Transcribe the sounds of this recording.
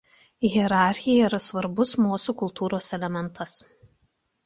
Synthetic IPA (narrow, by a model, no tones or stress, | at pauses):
ɣʲiɛɾɑˑɾʲxʲɪjɛiːɾɐsʋɐɾbʊsmoːsukʊlˠt̪uːɾoːsɛlʲɛmʲɛnt̪ʰɐs